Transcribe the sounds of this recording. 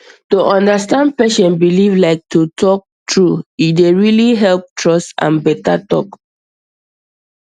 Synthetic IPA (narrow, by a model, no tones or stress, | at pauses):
tuʔɔ̃ndastãnd̚pɛʃɔ̃nbilivlaɪk̚tutɔk̚tʰɹuideɹiliɦɛlp̚tʰɹɔstã̰nbɛtatɔ̰k